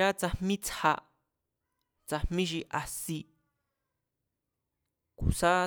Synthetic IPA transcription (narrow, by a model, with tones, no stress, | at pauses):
a˦t͡sa˧mmĩ˦t͡sha̰˧ | t͡sa˧m̥mĩ˦ʃ̬i˧ʔa˨si˧ | ku˨sa˦